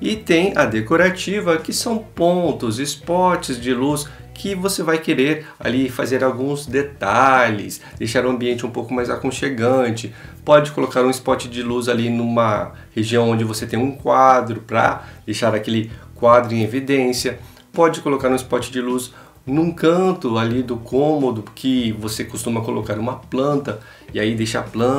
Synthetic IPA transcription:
ɪt̪ẽj̃ɐd̪ekoɾat͡ʃivɐkɪsɐ̃w̃põnt̪ʊzɪspɔɾt͡ʃɪzd͡ʒɪlus | kʰɪvosevajkeɾeɾ | a̰lifazeɾawɡũzd̪et̪aʎɪs | d̪ejʃaɾũɐ̃mbiẽnt͡ʃɪũpowkʊmajzakõʃeɡɐ̃t͡ʃɪ | pɔd͡ʒɪkolokaɾũispɔɾt͡ʃɪd͡ʒɪluzalinũmɐ | heʒiɐ̃w̃õd͡ʒɪvoset̪ẽj̃ũkwad̪ɾʊpɾɐ̰d̪ejʃaɾakelɪkwad̪ɾʊẽevid̪ẽsiɐ | pɔd͡ʒɪkolokaɾũɪspɔt͡ʃɪd͡ʒɪlus | nũkɐ̃t̪ʊalid̪ʊkʰõmod̪ʊkʰɪvosekost̪ũmɐkolokaɾũmɐplɐ̃nt̪ɐ | ɪaid̪ejʃa̰plɐ̃

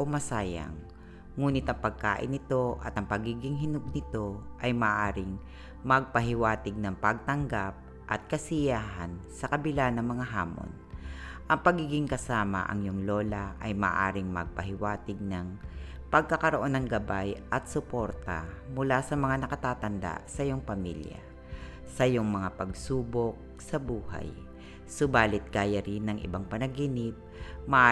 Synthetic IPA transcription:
ʔomɐsaːjɐ̰ŋː | uːnɪt̪ʔɐŋpɐɡ̚ka̰ːʔɪ̰nɪt̪o̞ʔɐ̰t̪ʔɐŋpɐɡiːɡɪŋɦɪnʊɡ̚nɪt̪o̞ʔɐjmɐʔaːɾɪŋ | mɐɡ̚pɐɦɪwaːt̪ɪɡ̚nɐŋpɐɡ̚t̪ɐŋɡap̚ | ʔɐ̰t̪̚kɐsɪjaːɦɐnsɐkɐbɪlanɐŋmɐŋaɦa̰ːmo̰nʔɐŋpɐɡiːɡɪŋkɐsaːmɐ̰ʔɐ̰ŋjoŋloːlaʔɐjmɐ̰ʔa̰ːɾɪŋmɐ̰ɡ̚pɐɦɪwaːt̪ɪɡ̚nɐŋ | pɐɡ̚kɐkɐɾoʔo̞nɐŋɡɐbajʔɐt̪̚sʊpo̞ɾt̪ɐ̰mʊlasɐmɐŋanɐkɐt̪aːt̪ɐnd̪a̰sɐʔjoŋpɐmḭlja̰ | sɐjoŋmɐŋapɐɡsuːbok̚sɐbuːha̰j | sʊbaːlɪt̪̚ɡ̥aːjɐɾɪnɐŋʔɪ̰baŋpɐnɐɡinɪp̚mɐʔ

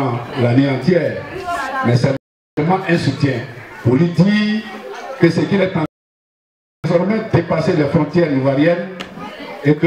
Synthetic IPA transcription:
laneɑ̃t̪jɛːʁmɛsɛl | ɛmãʔɛ̃sut̪jɛ̃pulid̪iː | kəsekilɛt̪ɑ̃ | zɔʁmɛd̪epaselɛfɾɔ̃t̪jɛʁivwaʁjɛn | ek

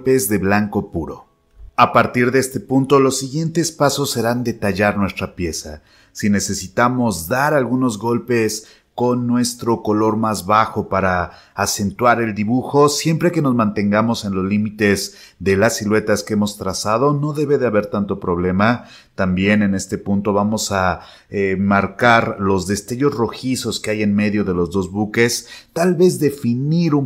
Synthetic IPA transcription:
pe̞zðe̞βlaŋko̞puɾo̞̰ | apaɾt̪iɾðee̞st̪e̞punt̪o̞lo̞sːiɣje̞nt̪e̞spaso̞sːe̞ɾand̪e̞t̪aʝaɾnwe̞st̪ɾapje̞sa | sine̞se̞sit̪amo̞zðaɾalɣuno̞zɣo̞lpe̞s | ko̞nːwe̞st̪ɾo̞ko̞lo̞ɾmazβaxo̞paɾaː | se̞nt̪waɾe̞ld̪iβuxo̞sje̞mpɾe̞ke̞no̞zmãnt̪e̞ŋɡamo̞se̞nlo̞zlimit̪e̞z | ðe̞lasːilwe̞t̪askeemo̞st̪ɾasað̞o̞no̞ðe̞βe̞ðe̞aβe̞ɾt̪ant̪o̞pɾo̞β̞le̞ma | t̪ambje̞ne̞ne̞st̪e̞punt̪o̞βamo̞sa | emaɾkaɾlo̞zðe̞st̪e̞ʝo̞sro̞xiso̞skeaje̞nme̞ðjo̞ð̞e̞lo̞zðo̞zβuke̞st̪alβe̞zðe̞finiɾu

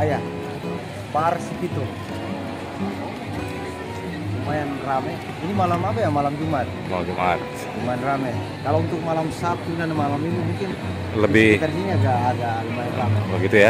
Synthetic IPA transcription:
aja | barsiɡit̪u | əmajanramɛ | inimalamapajamalamd͡ʒumat̪̚a̰d͡ʒəma̰ɾsd͡ʒumajanramɛ | kalount̪ʊk̚malamsap̚t̪unanamalaminimuŋkɪn | ləbɪit̪ansiniaɡaːɡaɡamajanramɛɡit̪uja

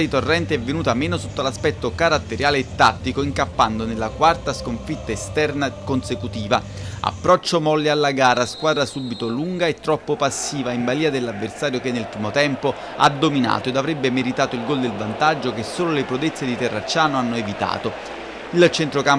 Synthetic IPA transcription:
d̪it̪orːɛnt̪eɛvːenuːt̪ameːnosot̪ːolaspɛt̪ːokaɾat̪ːeɾjaːleːt̪ːat̪ːikoiŋkapːand̪onelːakwart̪askoɱfit̪ːaest̪ɛrnakonsekut̪iːva | a̰pːɾɔt͡ʃːomɔlːealːaɡaːɾaskwaːd̪ɾasuːbit̪oluŋɡaet̪ːɾɔpːopasːiːvaimbaliːad̪elːavːersaːɾjokenːelpɾiːmot̪ɛmpo | ad̪omina̰ːt̪oed̪avɾɛbːemeɾit̪aːt̪oilɡold̪elvant̪ad͡ʒːokesːoːlolepɾud̪et̪sːed̪it̪ɛrːat͡ʃːaːnoanːoevit̪a̰ːt̪o | ilt͡ʃent̪ɾokam

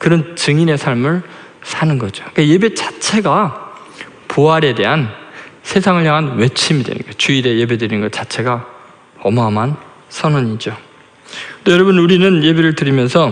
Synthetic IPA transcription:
kɯɾʌnt͡ɕɯŋine̞sʰaɭmɯɭ | sʰanɯnɡʌd͡ʑoik͈aje̞be̞t͡ɕḁt͡ɕʰe̞ɡa | poaɾe̞de̞ɦansʰe̞sʰaŋɯɭjaŋɦanwe̞t͡ɕʰimidwḛnɯ̰nɡʌjt͡ɕuiɾe̞je̞bedɯɾinɯnɡʌt͡ɕat͡ɕʰe̞ɡa | ʌmʌɦamɦan | sʰʌnʌɲid͡ʑo | t͈ojʌɾʌbɯnuɾinɯnje̞beɾɯɭtɯɾimjʌnsʰʌ

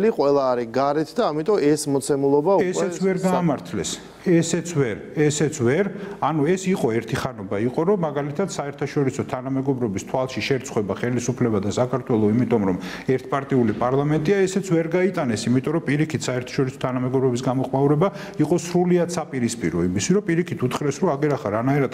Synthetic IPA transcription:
liqʼwɛlˠaːɾiɡaɾɛt̪ʰd̪aːmit̪ʼɔɛsmɔt̪sʰɛmulˠɔbaɛsɛtsʰvɛɾɡaːmaɾt̪ʰlɛs | ɛsɛt̪sʰvɛɾɛsɛt̪sʰvɛɾanuɛsiqʼɔɛɾt̪ʰiχanɔbaiqʼɔɾɔmːaɡalit̪ʰat̪saɛɾt̪ʰaʃɔɾisɔt̪ʰanamɛɡɔbɾɔbist̪ʰwalˠʃiʃɛɾt̪sʰχwɛbaχɛlisupʰlɛbad̪asakʰaɾt̪ʰwɛlˠɔimit̪ʼɔmɾɔmɛɾt̪ʰpʼaɾt̪ʼiulipʼaɾlˠamɛnt̪ʼiaɛsɛt̪sʰvɛɾɡait̪ʼanɛsimit̪ʼɔɾɔpʼiɾikʰit̪ʰsaɛɾt̪ʰḁʃɔɾisɔ̥t̪ʰanamɛɡɔbɾɔbis̬ɡamɔχmauɾɛba | iqʼɔsɾuliad̪sapʼiɾispʼiɾɔimisiɾɔpʼiɾikʰit̪ʰut̪ʰχɾɛsɾɔaɡɛɾaχaɾanaiɾad̪̥

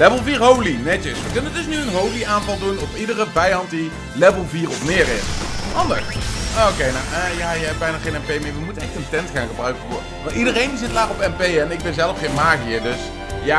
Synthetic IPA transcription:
lɛvəlˠviːɹɦowlinɛtəsʋəkɵnəndɵsnyənɦowliʔaːnvɑlˠdunɔpidərəvɛjɑntdi | lɛvəlˠviːɹɔfmɪːɹɪsɑndə̰sokejnawʔəjaːjəɦɛp̚bɛjnaːχejnɛmpejmɪːɹʋəmutənɛxtəntɛntχa̰ːnχəbrœɥkəvʊːrəʋɑ̃ntidərejndizɪtlaːχɔpɛmpejɛnɪɡ̚bɛnzɛlˠəfχejnmaːɣiədɵs | jaː

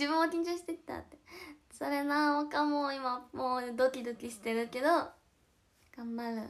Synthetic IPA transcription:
d͡ʑibɯ̃okʲĩɲ̟t͡ɕoːɕi̥t̪e̞kʲi̥t̪a̰t̪ːe | so̞ɾe̞nãokamoːimamoːd̪o̞kʲid̪o̞kʲiɕi̥t̪e̞ɾɯ̟ke̞d̪o̞ | ɡ̥ãmbaɾɯ̟

